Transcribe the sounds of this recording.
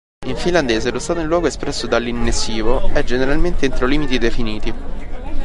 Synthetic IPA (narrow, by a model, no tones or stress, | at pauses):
iɱfiland̪eːzelost̪aːt̪oilːwɔːɡoespɾɛsːod̪alːinːesiːvoɛd͡ʒeneɾalment̪eint̪ɾoliːmit̪id̪efiniːt̪i